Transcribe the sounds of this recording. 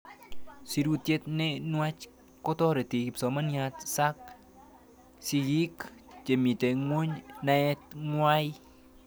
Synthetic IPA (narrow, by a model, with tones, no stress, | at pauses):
si˧ɾu˧t̪je˦t̪̚ne˦nwa˦t͡ʃ | ko˦t̪ɔ˦ɾe˨t̪i˨i˨psɔ˨ma˦nja˧t̪sa˦k̚ | si˧ɣi˦kt͡ʃe˨mi˨t̪e˨ŋo˦ɲna˧ɛ˦t̪ŋwa˦j